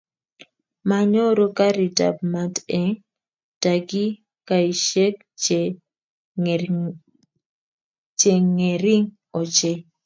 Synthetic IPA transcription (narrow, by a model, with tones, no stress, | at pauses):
ma˨ɲo˦ɾo˦ka˦ɾi˨ta̰˨p̚ma˦tɛ˦ŋ | ta˨ɡi˦ | ka˨i˨ʃe˦k | t͡ʃ | t͡ʃe˨ŋe˨ɾi˦ŋ | ɔ˨t͡ʃe˦